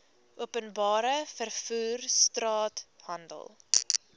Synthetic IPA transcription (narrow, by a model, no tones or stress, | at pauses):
ʔuəpənbɑːɾəfərfuːrstrɑːthɐndə̰lˠ